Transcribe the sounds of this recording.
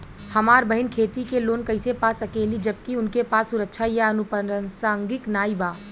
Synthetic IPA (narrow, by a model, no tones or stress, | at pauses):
hɐmaːɾbɐɦɪnkʰeːt̪ikeloːnkɐɪsepaːsɐkeːlid͡ʒɐb̚kiʊnkepaːsːʊɾəkʃʰajaɐnʊpəənsaːŋɡɪknaːibaː